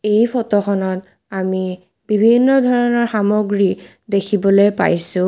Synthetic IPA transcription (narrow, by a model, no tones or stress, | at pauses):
ejpʰɔtɔxɔnɔt | ami | bibʱinːɔdʱɔɹɔnɔɹxamɔɡɹi | dekʰibɔlojpa̰jsʊ̃